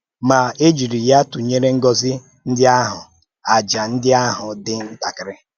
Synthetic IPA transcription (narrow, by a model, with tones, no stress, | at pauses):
ma˨e˦d͡ʒu˨ɾi˨ja˦tʊ˨ɲe˦ɾe˦ŋ̩˦ɡɔ˦zɪ˦ | n̩˦dɪ˦a˦ɦʊ˨ | a˨d͡ʒa˨n̩˦dɪ˦a˦ɦʊ˨dɪ˦n̩˦ta˨kɪ˨ɾɪ˦